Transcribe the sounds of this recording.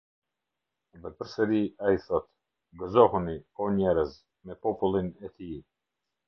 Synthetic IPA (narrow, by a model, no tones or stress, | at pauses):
vɛpəɾsɛɾiaiθɔt̪ | ɡɔzɔhunikɔɲɛɾəz | mɛpɔpulˠinɛt̪i